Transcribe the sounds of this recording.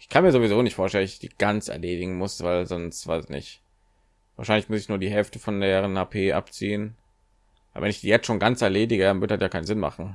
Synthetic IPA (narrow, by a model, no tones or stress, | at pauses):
ʔɪçkʰanmiːɐzovizoːnɪçtfoːɐʃtɛlənɪçd̥ḭːɡ̥ant͡sɛ̰ɐleːdɪɡŋ̩mʊsv̥aɪlzɔnstv̥a̰ɪsɪçnɪ̰çt | v̥aːɐʃaɪnlɪçmʊsɪçnuːɐdiːɦɛlftəfɔndeːʁənhaːpʰeːʔa̰pt͡siːən | vaɪlvɛnɪçd̥iːjɛt͡stʃoːnɡant͡sɛɐleːdɪɡədanvʏɐdədatjaːkʰaɪnzɪnma̰χn̩